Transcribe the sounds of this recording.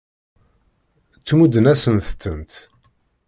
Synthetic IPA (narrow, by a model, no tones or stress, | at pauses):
t͡sːmud̪ənæsənθt͡sːənt̪